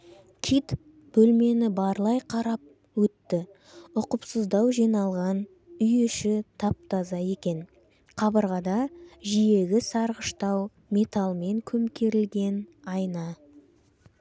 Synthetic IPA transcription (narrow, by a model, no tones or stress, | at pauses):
kʲʰit̪ | b̥ɵlme̞nɪbɑɾlˠɑjqʰɑɾɑp̚ | wɵt̪ːɪ | ʊqəpsəzd̪ɑwʒijnɑlˠʁɑn | ʏjeʃɪt̪ʰɑp̚t̪ɑzɑje̞kʲe̞n | qʰɑbəɾʁɑd̪ɑʒije̞ɡʲɪsɑɾʁəʃt̪ɑw | mʲe̞t̪alˠme̞ŋkʲʰɵmkʲʰe̞ɾɪlɡʲe̞nɑjnɑ